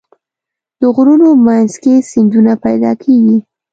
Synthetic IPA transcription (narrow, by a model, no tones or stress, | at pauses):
d̪̥əɣɾunomanzkesɪnd͡ʒ̪unapajd̪ɑ̰kʰeɡi